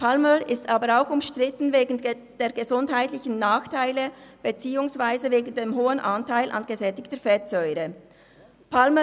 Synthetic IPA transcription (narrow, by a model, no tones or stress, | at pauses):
pʰalməʔɪstaːbəɾaʊxʊmʃtʁ̥ɪtn̩veːɡn̩ | d̥eːɐɡəzʊndɦaɪtlɪçən̩naːxtʰaɪləb̥et͡siːʊŋsv̥aɪzəveːɡn̩deːmɦoːənʔantʰaɪlʔɑ̰nɡ̥əzɛtɪktəfɛtz̥ɔʏɾə | pʰalmə